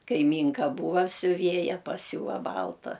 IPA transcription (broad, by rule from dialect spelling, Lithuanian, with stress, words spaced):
kɐɪˈmʲiːŋkɐ ˈbuːʋɐ sʲʊˈʋʲeːjɛ pɐˈsʲuːʋɐ ˈbɐlˠtɐ